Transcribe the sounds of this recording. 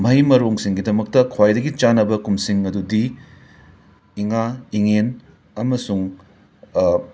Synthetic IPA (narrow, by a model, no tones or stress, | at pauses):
mɐjmɐɾoŋsiŋɡidɐmɐk̚tɐkʰwajdɐɡit͡ʃanɐbɐkumsiŋɐdudi | iŋaiŋen | ɐmɐsuŋ